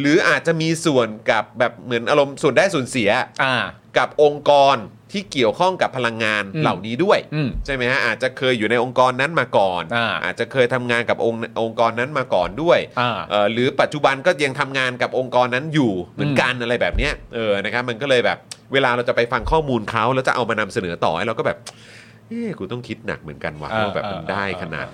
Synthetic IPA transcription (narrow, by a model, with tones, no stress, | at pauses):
ɾɯː˩˦ʔaː˨˩t̪̚t͡ɕa˨˩miː˧su˨˩ənka˨˩p̚bɛː˨˩p̚mɯ˩˦ənʔaː˧ɾo˧msu˨˩əndaː˥˩jsu˨˩ə˦nsi˩˦ɐa˧ | ka˨˩p̚ʔo˧ŋkɔː˧n | t̪ʰiː˥˩ki˨˩əwkʰɔ˥˩ŋka˨˩pʰːa˧la˧ŋːaː˧nla̰˨˩wniː˦˥du˥˩əjt͡ɕʰa˥˩jma˦jkʰa˦˥ʔaː˨˩t̪̚t͡ɕa˨˩kʰɤː˧jːuː˨˩na˧jʔo˧ŋkɔː˧nːa˦˥nmaː˧kɔː˨˩na˧ʔa̰ː˨˩t̪̚t͡ɕa˨˩kʰɤː˧jt̪ʰa˧mŋaː˧nka˨˩p̚ʔo˧ŋʔo˧ŋkɔː˧nːa˦˥nmaː˧kɔ̰ː˨˩ndu˥˩əjʔɤː˨˩ɾɯː˩˦pa˨˩t̪̚t͡ɕu˨˩ba˧nkɔː˥˩ja˧ŋt̪ʰa˧mŋaː˧nka˨˩p̚ʔo˧ŋkɔː˧nːa˦˥njuː˨˩mɯ˨˩˦ənka˧nʔa˧ɾa˧jbɛː˨˩p̚ni˦˥ɐʔɤː˧na˦˥kʰa˦˥p̚ma˧nkɔː˥˩lɤː˧jbɛː˨˩p̚weː˧laː˧ɾa˧wt͡ɕa˨˩pa˧jfa˧ŋkʰɔː˥˩muː˧nkʰa˦˥wlɛː˦˥wt͡ɕa˨˩ʔa˧wmaː˧na˧msa˧nɤː˩˦t̪ɔ̰ː˨˩hjɾa˧wkɔː˥˩bɛː˨˩p̚ | ʔeː˥˩kʰuː˧t̪ɔ˥˩ŋkʰi˦˥t̪̚na̰˨˩k̚mɯ˩˦ənka˧nwa̰ː˨˩aː˥˩bɛː˨˩pːa˧ndaː˥˩jkʰa˧na̰ː˨˩t̪̚